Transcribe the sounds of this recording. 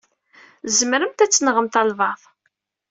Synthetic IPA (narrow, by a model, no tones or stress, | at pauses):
zmɾəmt̪æt͡sːənʁəmt̪ɑlvɑðˤ